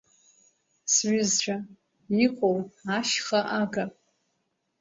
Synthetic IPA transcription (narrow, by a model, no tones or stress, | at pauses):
sɥʷʏzʈ͡ʂʷʰʼa | iqʷʼowaʃχaʔaɡa